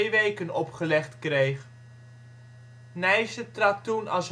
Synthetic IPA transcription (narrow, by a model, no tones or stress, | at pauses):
ʋejkənɔpχəlɛχtkrejχ | nɛjsətrɑtunɑ̰lˠs